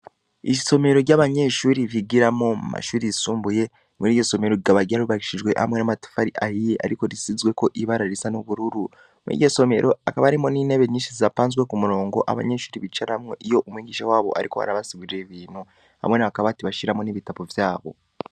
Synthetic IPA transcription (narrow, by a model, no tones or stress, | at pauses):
iso̞me̞ɾo̞ɾɟaβaɲe̞ʃuːɾiβiɡiɾamomṵma̰ʃuːɾiisuːmbuje̞ | muɾiːɟoso̞me̞ɾoiɡaβaɡaɾuβaiʃiʒɡwe̞ʔha̰mwenamati̥faɾiʔahijeʔa̰ɾiko̞ɾisizwe̞ko̞ʔiβaɾaɾisanoβuɾuɾu | mḭɟoso̞me̞̰ɾʔo̞akaβaɾimo̞nine̞βeɲiːt͡ʃiziapaːnzɡwe̞kumuɾo̞ːŋɡo̞̰ʔa̰βa̰ɲe̞ʃuːɾiβit͡ʃaɾaamŋeʔijo̞ʔumwiːɟiːʃawaːβo̞̰ʔa̰ɾiko̞̰ha̰ɾaβasiβiɾe̞βiːnho | ha̰mwe̞naβakaβatiβaʃiɾamoniβitaβovjaːβo̞̰